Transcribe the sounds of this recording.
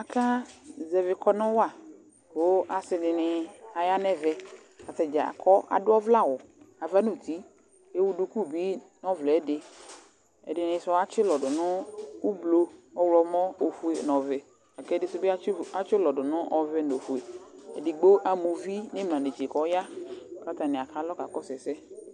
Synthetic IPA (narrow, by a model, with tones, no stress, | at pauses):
a˨kʰa˦zɛ˨vɪ˨kɔ˦nʊ̃˦wa˨ | o˦a˨sɪ˨dɪ˨nɪ˨a˨ja˦nɛ˦vɛ˨ | a˨t̪ɛ˨d͡ʒa˨a̰˨kʰɔ˦ʔa̰˨dʊ˦ɔ˦vla˦˨wʊ˨a˨va˦no˨t̪i˦ | e˦wu˦du˨˦ku˦bi˦ | nɔ˦vlɛ˨˦dɪ˨ | ɛ̰˨dɪ˨nɪ̃˨sʊ˦a˦t͡ʃɪ˦lɔ˨dʊ˨nʊ̃˦u˦blo˦ɔ˦wlɔ˨mɔ̃˦o˨fu˨e˨nɔ̃˨vɛ˨ | a˨kɛ˦dɪ˦sʊ˦be˦a˨t͡ʃɪ˦lɔ˨dʊ˨nʊ̃˦ʔɔ˨vɛ˦no˨fu˨e˨ɛ̰˨dɪ˨ɡ͡bo˦ʔa˨mu˨vi˦nɪ˦mlã˨ne˨d͡ʒe˨kɔ˨˦ja˦ka˦t̪a˨nɪ̃˨a˨ka˨lɔ˦ka˨kɔ˦sɛ˨sɛ˦